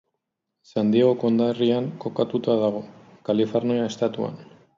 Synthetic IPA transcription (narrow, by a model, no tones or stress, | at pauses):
sand̪iaɣoko̞nd̪ariaŋko̞kat̪ut̪aðaɣ̞o̞kalifoɾnoaest̪at̪ua̰n